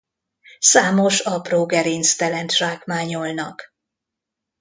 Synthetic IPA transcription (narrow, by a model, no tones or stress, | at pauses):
saːmo̞ʃɒproːɡɛɾinst̪ɛlɛnt̪ʃaːkmaːɲolnɒk